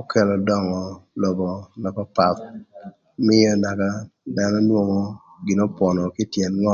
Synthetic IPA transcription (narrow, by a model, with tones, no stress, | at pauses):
o˦kʰɛ˦˨lɔ˨dɔ˦ŋɔ˨lɔ˨bɔ˨na˨pa˦pa˨t̪̚ | mɪ˦je˦na˨ka˦da˦nɔ˦nwo˦ŋo˦ | ɡɪ˨nɔ˦pwɔ˨nɔ˨kɪ˦tje˨nŋɔ˦